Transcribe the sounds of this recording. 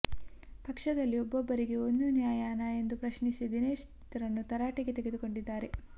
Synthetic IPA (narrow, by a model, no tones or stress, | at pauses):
pɐkʂɐd̪ɐlːiobːobːɐɾiɡe̞ond̪unjaːjaːnɐe̞nd̪upɾɐʃnisid̪ine̞ːʂ | t̪ɐɾɐnːut̪ɐɾaːʈiɡe̞t̪e̞ɡe̞d̪uko̞ɳɖid̪ːaːɾe̞